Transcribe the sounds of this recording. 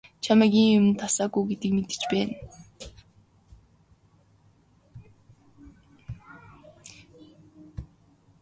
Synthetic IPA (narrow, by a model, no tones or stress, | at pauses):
t͡ɕʰamæɡiːŋʊmɘ̆nt̪ʰasaːɡuɡet̪ĭkmet̪ɘ̥t͡ɕpæːn